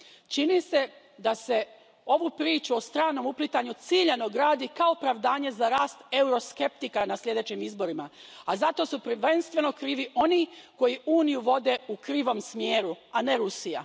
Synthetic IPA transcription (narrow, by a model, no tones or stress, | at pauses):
t͡ʃinise̞ | d̪ase̞ | o̞ʋupɾiːt͡ʃuo̞st̪ɾaːno̞muplit̪aɲut̪siʎeno̞ɡɾaːd̪ikao̞pɾaʋd̪aːɲe̞zaɾaːst̪e̞uɾoske̞p̚t̪ikanaslʲʎe̞d̪e̞ːt͡ɕimizbo̞ɾimaazat̪o̞supɾ̩ʋe̞nst̪ʋe̞no̞kɾiːʋiʔo̞niːko̞jiuːnijuʋo̞d̪e̞ukɾiːʋo̞msmjeːɾuane̞ɾusija̰